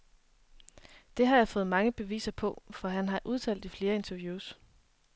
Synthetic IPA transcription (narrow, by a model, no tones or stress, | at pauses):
d̥e̝ɦɑ̈jɑ̈ɪfɔ̽ːð̩ˠmɑ̈ŋəb̥e̝ʋḭːsɐpʰɒ̽fɒ̽ɦænɦɑ̈ʔuð̞ˠt͡sʰɛ̰ːld̥ifle̝ːɐe̝nt͡sʰɐjuːs